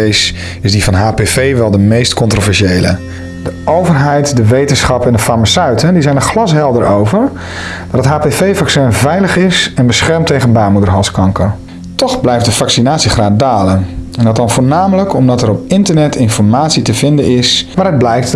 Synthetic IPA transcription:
s | ɪzdivɑnɦaːpefejʋɛlˠdəmejstkɔntrovɛɹʃejlə̰ | d̥əowvərɦɛjtdəʋejtənsχɑpɛndəfamasœɥtəndizɛjnəχlɑsɦɛlˠdəɹowvəɹ | d̥ɔtətɦaːpevejvɑksɛnvɛjləχɪsɛnbəsχɛɹmtejχənbaːmudəɹɦɑlˠskɑŋkə | tɔχblɛjft̚dəvɑksinaːtsiχraːdaːlənɛndɑtdɑnvoːɹnaːmələkɔmdɑtɛɾɔpɪntəɹnɛtʰɪnfɔɹmaːtsitəvɪndənɪsʋaːɾəd̚blɛjkt

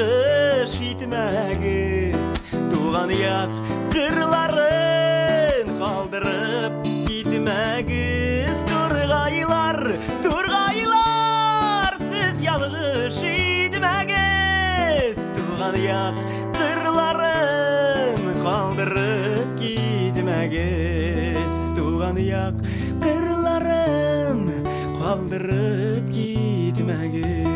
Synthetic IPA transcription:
əʃijt̪ɪmæɡɪz̥t̪ʰuʁɑnəjɑq | ʒəɾlˠɑɾə | ɴqʰɑlˠd̪əɾəp̚kʲʰejt̪ɪmæ | ɡɪzt̪ʰʊɾʁɑjlˠɑɾ | t̪ʰoɾʁɑjlˠɑ | ɾsɪzjɑlˠəʁəʃijd̪ɪmæɡʲe | zt̪ʰuʁɑnəjɑqː | əɾlˠɑɾə | nqʰɑlˠd̪əɾəp̚kʲʰet̪ɪmæɡʲe | zt̪ʰuʁɑnəjɑq | qəɾlˠɑɾən | qʰɑlˠd̪əɾə | p̚kʲʰed̪ɪmæɡʲɪ

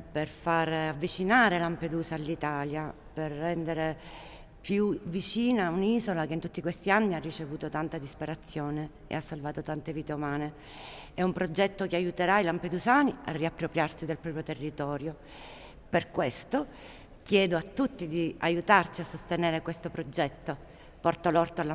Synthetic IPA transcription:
perfaɾavːit͡ʃinaːɾelamped̪uːsalːit̪aːlja | perːɛnd̪eɾe | pjuvit͡ʃiːnauniːzolak̟eint̪ut̪ːikwest̪ianːiarːit͡ʃevuːt̪ot̪ant̪ad̪ispeɾat̪sːjoːne | ḛasːalvaːt̪ot̪ant̪eviːt̪eumaːne | ɛumpɾod͡ʒɛt̪ːokeajut̪eɾailamped̪uzaːnia̰rːiapːɾopɾjarsid̪elpɾɔːpɾjot̪erːit̪ɔːɾjo | perkwest̪o | k̟jɛːd̪oat̪ːut̪ːid̪iajut̪art͡ʃiasːost̪eneːɾekwest̪opɾod͡ʒɛt̪ːo | pɔrt̪alɔrt̪oalː

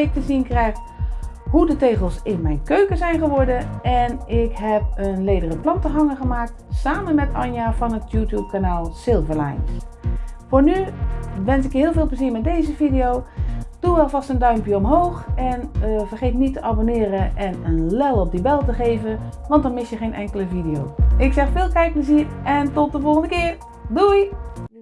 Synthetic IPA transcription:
ɪk̚təzinkrɛjχ | ɦudəteːχəlˠsɪnmɛjnkøɥkəzɛjnχəʋɔɹdənɛnɪkɦɛp̚ənlejdərəplɑntəɦɑŋəχəmaːk̚tsaːmənmɛtɑ̰njaːvɑnətjuːtjup̚kanaːlˠsɪlˠvəla̰jns | fʊːɹnyʋɛnsɪkɦɪːlˠveɪːlˠpləziːɹmɛt̚dejzəvidiowd̥uʋɛlˠvɑstəndœɥmpjəɔmɦoːxɛnvərχeːtnitːəʔabonɪːɾəʔɛnənlɛlˠɔp̚dibɛlˠtəχeːvəʋɑntdɔnmɪsjəχeːnʔɛŋkələvidijo̰wɪksɛxfɪːlˠkɛjk̚pləziərʔɛntɔt̚dəvɔlˠχəndəkɪːr | duj

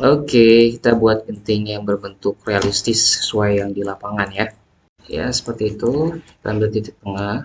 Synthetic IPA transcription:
okekit̪abuat̪̚pənt̪ɪŋjaŋbərbənt̪ʊkrealist̪ɪsə̥suajːaŋdilapaŋanja | ja̰sə̥pərt̪iːt̪uka̰nbət̪it̪ɪk̚t̪əŋah

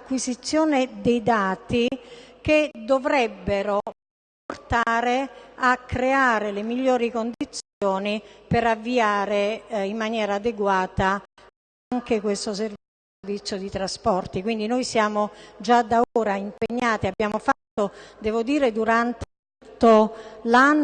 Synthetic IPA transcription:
kːwizit̪sːjoːned̪ejd̪aːt̪iked̪ovɾɛbːeɾo | port̪aːɾeakːɾeaːɾelemiʎːoːɾikond̪it̪sjoːnipeɾavːiaːɾeimːanjɛːɾaːd̪eɡwaːt̪a | aŋkekwest̪oser | vit̪sːjod̪it̪ɾaspɔrt̪ikwind̪inojsjaːmod͡ʒad̪aoːɾaimpeɲːaːt̪iabːjaːmofat̪ːod̪ɛːvod̪iːɾed̪uɾant̪e | t̪ːolanː

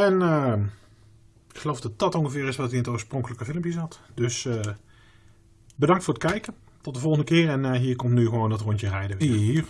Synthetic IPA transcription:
ɛnə | ɪkχəlowfdɑt̚dɑtɔŋχəvɪːɹɪsʋɑtiɪntoːɹsprɔŋkələkəvɪlˠəmpjəzɑtdɵs | bədɑŋktfʊːɹət̚kɛjkən | tɔt̚dəvɔlˠɣəndəkɪːrɛnɦiːɹkɔmtnyɣəʋowndɑtrɔɲtərɛjdəʋiir

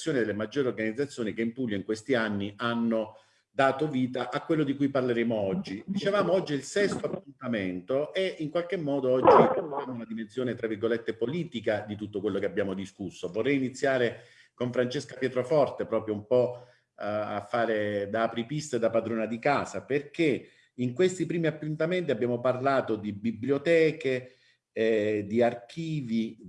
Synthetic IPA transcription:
sːjoːnid̪elːemad͡ʒːoːɾeorɡanid̪zːat̪sːjoːnikeimpulːjoiŋkwest̪ianːiʔanːo | d̪aːt̪oviːt̪aʔakːwelːod̪ikujparleɾeːmoɔd͡ʒːid̪it͡ʃevaːmoɔd͡ʒːilsɛst̪oapːunt̪ament̪oʔɛiŋkwalk̟emːɔːd̪oɔd͡ʒːioaːmounad̪imensjoːnet̪ɾavːirɡolet̪ːepoliːt̪ikad̪it̪ut̪ːokwelːokeabjaːmod̪iskusːovorːɛjinit̪sːjaːɾe | koɱfɾant͡ʃeskapjɛːt̪ɾofɔrt̪epɾɔːpɾjoumpɔ | a̰fːaːɾed̪aːpɾipist̪ed̪apad̪ɾoːnad̪ikaːsaperk̟e | iŋkwest̪ipɾiːmiapːunt̪ament̪̬iabːjaːmoparlaːt̪od̪ibibljot̪ɛːke | ɛd̪iark̟iːvi

